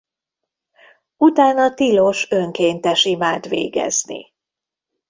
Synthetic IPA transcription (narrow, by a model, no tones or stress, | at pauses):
ut̪aːnɒt̪iloʃøŋkeːnt̪ɛʃimaːd̪ʋḛːɡɛ̰znḭ